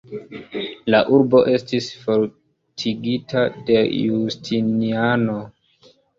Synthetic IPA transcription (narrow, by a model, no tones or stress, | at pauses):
laʔuɾbo̞ʔe̞stisfoɾ | tʰiɡitʰade̞justʰiniano̞